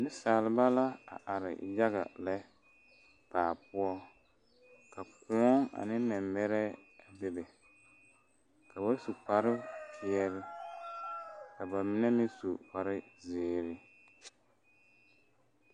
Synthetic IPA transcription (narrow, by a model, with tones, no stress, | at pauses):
nɪ˦saː˨lɪ˨˦ba˦la˦a̰˨ʔa˨ɾɪ̰˨ja˦ɣa̰˨lɛ˦ | paː˨pʊ˦ɔ˦ | ka˨ku˨˦ɔ˦ŋa̰˨nɪ˦mɛ˨mbɛ˦ɾɛ˦a˨bɪ˦bɛ˨ | kʰa˨ba˦su˨k͡pa˨ɾɪ˦pɪ˨ɛ˦ɾɪ˦ | ka˨ba˨mɪ˦nɛ˦mɪ˦su˨pa˨ɾɪ˦zɪː˨ɾɪ˦